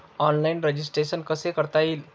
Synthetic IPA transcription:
ɔnlainɾed͡ʑisʈɾeɕənkəsekəɾt̪ail

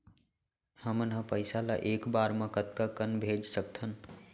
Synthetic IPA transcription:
həmənɦə̃pəɪsalaʔekbaɾmə̃kət̪kakənbʱed͡ʒsək̚t̪ʰən

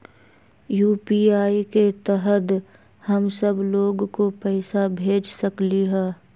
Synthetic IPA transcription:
juːpiːaːiket̪ɛɦət̪ | həmsəbloːɡkopɛːsabʱeːd͡ʒsəkliɦɛː

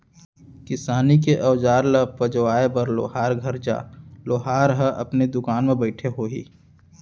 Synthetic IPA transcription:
kɪsaːnikeʔɐʋd͡ʒaːɾləpəd͡ʒʋaːebəɾlo̰ːɦaːɾɡʱɐɾd͡ʒa̰ːloːɦaːɾɦəʔɐ̰pned̪ʊkaːnmẽbəɪʈʰeɦoːḭː

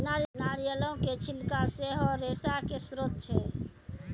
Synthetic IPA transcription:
nalnaɾijəlõket͡ʃʰilkaseɦɔɾesakesɾot̪̚t͡ʃʰɛ

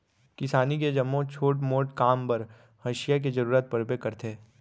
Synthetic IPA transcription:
kɪsaːniked͡ʒɐmːõt͡ʃʰoːʈmoːʈkaːmpɐɾ | hɐʃɪjak̬ed͡ʒɐɾuːɾət̪̚pɐɾbekɐɾt̪ʰeː

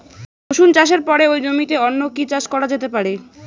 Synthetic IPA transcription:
oʃunt͡ɕaʃ̬eɾpɔɾeojd͡ʑomit̪eɔnːokit͡ɕaʃkɔɾad͡ʑet̪epaɾe

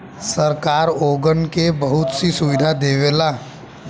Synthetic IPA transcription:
sɐɾkaːɾoːɡənkebɐɦʊt̪sisʊʋɪd̪ʱad̪eːʋeːlaː

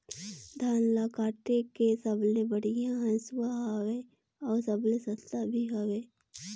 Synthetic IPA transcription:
d̪ʱaːnlakaːʈekesəblebəɽijãɦə̃suaɦawe | ɔːɾsəblesə̃st̪ʰabʱiɦaweː

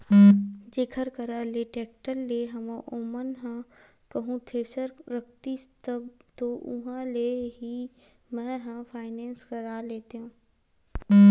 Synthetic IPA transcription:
d͡ʒeːkʰəɾkəɾaleʈeːk̚ʈəlːeɦɐmãʔoːmənɦã | kɐɦũt̪ʰeːsəɾɾək̚ʰt̪it̪əbt̪oʊɦãleɦi | mɛ̃ɦãfʰaːɪnɛ̃ːnskəɾaːleːt̪eɦũː

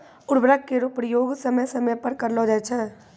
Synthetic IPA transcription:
ʊɾbɾəkːeɾopɾɪjoːɡsəməjsəməjpəɾkəɾloːd͡ʒɛt͡ʃʰɛ

